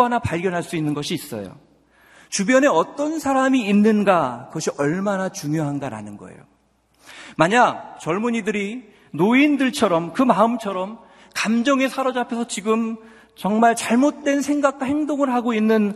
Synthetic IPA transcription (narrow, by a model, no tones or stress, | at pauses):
anapaɭɡjʌnɦaɭs͈uinːɯnɡʌɕʰiːs͈ʌ̰jo̰ | t͡ɕubjʌne̞ʌt͈ʌnsʰaɾamiːnːɯnɡakɯɡʌɕʰiʌɭmanat͡ɕuŋjoɦanɡaɾa̰nɯnɡʌ̰ḛjo | maɲak̚t͡ɕʌɭmuɲidɯɾi | noindɯɭt͡ɕʰʌɾʌmkɯmaɯmt͡ɕʰʌɾʌm | kamd͡ʑʌŋe̞sʰaɾʌd͡ʑapʰesʰʌt͡ɕiɡɯm | t͡ɕʌŋmaɭt͡ɕaɭmot̚t͈we̞nsʰe̞ŋɡak̚t͈ahe̞ŋdoŋɯɭɦaɡoinːɯn